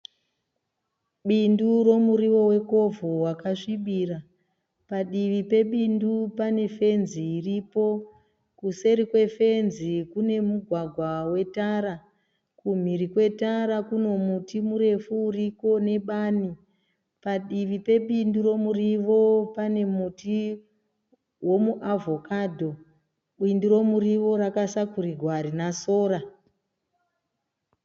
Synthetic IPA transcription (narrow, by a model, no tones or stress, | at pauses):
ɓinduro̞muɾiʋo̞we̞ko̞vʱowakaʂiɓiːra | paɗiʋipe̞ɓindupane̞fe̞nziːripo̞ | kuse̞ɾikwe̞fe̞nzikune̞muɡʱwaɡʱwawe̞taɾa | kum̤iɾikwe̞taɾakuno̞mutimuɾe̞fuːriko̞ne̞ɓani | paɗiʋipe̞ɓindiɾo̞muriʋo̞pane̞muti | wo̞muʔavʱo̞kadʱo̞ | ɓindiɾo̞muɾiʋo̞ɾakasakuɾiɡʱwaɾinasoːɾa